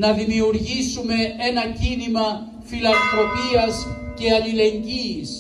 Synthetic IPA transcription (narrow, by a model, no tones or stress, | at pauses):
nɐðimiuɾʝisume̞e̞nɐcinimɐ | filɐnt̪ɾo̞piɐsce̞ɐlile̞ɲɟiːs